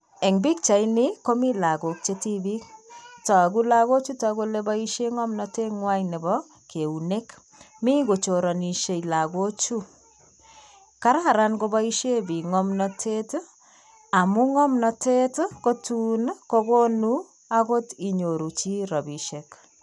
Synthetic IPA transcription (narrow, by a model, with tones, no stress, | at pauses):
e˨ŋbi˦k̚t͡ʃa˨i˦nɪ˦ko˦mi˦la˨ɡo˨k̚t͡ʃeti˦bi˦ktɔ˨ku˦laɣo˦t͡ʃu˦tɔ˨ko˦le˦ba˦i˦ʃe˦ŋɔ˦mnɔ˨te˦ŋwa˦jne˨bɔ˦ | ke˨u˨ne˦k | mi˦ko˨t͡ʃo˨ɾɔ˨ni˨ʃe˨ila˨ɡo˦t͡ʃu˦ | ka˦ɾa˦˨ɾa˦nɡo˦ba˦i˦ʃje˦bi˨ŋɔ˦mnɔ˦tʰe˦t | a˨mu˦ŋɔ˦mnɔ˨te˦tko˦tunko˧ko˦nu˦ | a˦ko˦ti˨ɲo˨ɾu˨t͡ʃi˦ɾɔ˨bi˨ʃe˨k